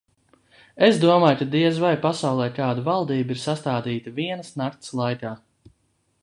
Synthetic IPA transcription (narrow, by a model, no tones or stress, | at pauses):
esd̪uɔmaːjkad̪iɛzvajpasawlˠɛjkaːd̪uvalˠd̪iːbiɾsast̪aːd̪iːt̪aviɛnəsnaɾt̪slˠajk̪aː